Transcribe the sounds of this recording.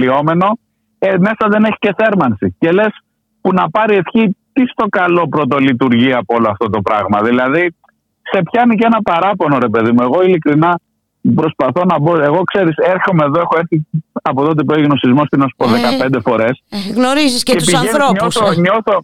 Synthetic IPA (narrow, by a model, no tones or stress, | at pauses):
io̞me̞no̞ | eme̞sɐðe̞neçi̥ce̞θe̞ɾmɐnsice̞le̞s | punɐpɐɾie̞θçit̪ist̪o̞kɐlo̞pɾot̪̬o̞lit̪̬uɾʝiɐpooloɐft̪o̞t̪o̞pɾɐɣmɐðilɐði | se̞pçɐinice̞nɐpɐɾɐpo̞no̞ɾe̞pe̞ðimue̞ɣo̞ilikɾinɐ | pɾo̞spɐθo̞nɐbo̞e̞ɣo̞kse̞ɾise̞ɾθomeːðo̞exo̞eɾθiɐpoðot̪epoiɣno̞sizmo̞st̪inɐsu̥po̞ðekɐpend̪e̞fo̞ɾe̞sɣnoɾizisepiseoɲosθoɲo̞θo̞